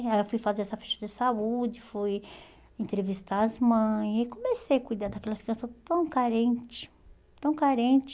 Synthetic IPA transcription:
aewfujfazeɾɛsɐfɛ̥ʃɐd͡ʒɪsaud͡ʒɪfuj | ẽnt̪ɾevist̪aɾɐzmɐ̃j̃sekõmesejakujd̪ad̪ɐkɛlɐskɾiɐ̃sɐt̪ɐ̃w̃kaɾẽt͡ʃɪ̥ | t̪ɐ̃w̃kaɾẽt͡ʃɪ̥

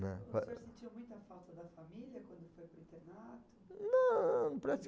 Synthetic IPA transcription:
nɛɛɾsɪt͡ʃĩɐmũj̃t̪ɐfawt̪ɐd̪ɐfamiljɐkwɐ̃nd̪ʊfojpɾĩnt̪eɾnat̪ʊ̥nɐ̃pɾasi

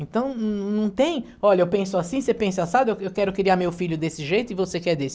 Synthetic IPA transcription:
ẽnt̪ɐ̃w̃nɐ̃w̃t̪ẽj̃ | ɔʎɐewpẽsʊasĩsepẽsasadɪewewkɛɾʊkɾiaɾmewfiʎʊd̪esɪʒejt̪ʊɪvosekɛd̪esɪ̥

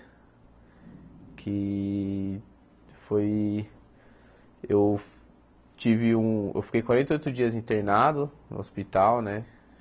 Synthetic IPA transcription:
kʰɪ | foj | ew | t͡ʃivɪũḛwfi̥kejkwaɾẽnt̪eojt̪ʊd͡ʒiɐzĩnt̪eɾnad̪ʊnʊ̰ospit̪awnɛ

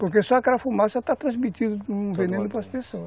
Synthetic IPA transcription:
poɾkesɔɐkaɾɐfumasɐt̪at̪ɾɐ̃zmit̪id̪ʊũvenẽnʊpɾɐspesoɐ

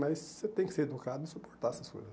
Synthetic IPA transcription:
mɐsset̪ẽj̃kɪ̥seɾed̪ukad̪ʊɪsupo̥ɾt̪aɾɛsɐsko̰jzɐs

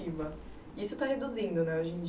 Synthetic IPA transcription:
ivɐ | isʊt̪ahed̪uzĩnd̪ʊnɛoʒĩd͡ʒ

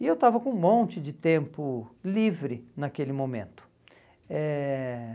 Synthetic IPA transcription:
ɪewt̪avɐkõũmõnt͡ʃɪd͡ʒɪt̪ẽmpʊlivɾɪnakelɪmõmḛ̃nt̪ʊ̥ | ɛ

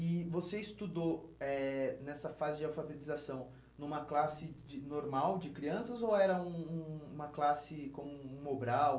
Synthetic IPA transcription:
ɪvoseist̪ud̪oɛnɛsɐfazɪd͡ʒɪawfabet̪izasɐ̃w̃ | nũmɐklasɪd͡ʒɪnoɾmawd͡ʒɪkɾiɐ̃sɐzowɛɾɐũũũmɐklasɪkõmʊũmobɾaw

